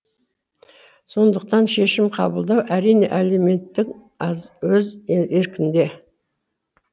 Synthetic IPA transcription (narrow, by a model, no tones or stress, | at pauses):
so̞nd̪əq̚t̪ɑnʃe̞ʃɪmqʰɑ̰bəlˠd̪ɑwʔæɾijne̞̰ʔeleme̞nt̪ːɪk | zwɵzeɾkʲɪnd̪e̞